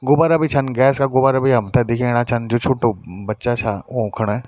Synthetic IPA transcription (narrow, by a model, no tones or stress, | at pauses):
ɡʊbaɾɐbʱit͡ʃʰɐnɡɛːskaɡʊbaɾɐbʱiɦɐmt̪ʰad̪eːkʰiẽɽ̃at͡ʃʰɐnd͡ʒot͡ʃʰuʈobɐtːʃat͡ʃʰaõkʰəɽ̃ɛː